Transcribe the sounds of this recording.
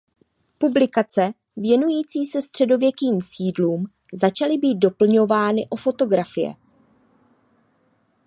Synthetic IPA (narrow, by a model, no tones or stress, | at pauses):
publɪkat͡sɛ | vjɛnujiːt͡siːsɛst̪r̝̥ɛdo̞vjɛkiːmsiːdluːm | zat͡ʃalɪbiːt̪̚do̞pl̩ɲo̞vaːnɪʔo̞fo̞t̪o̞ɡɾafɪjɛ̰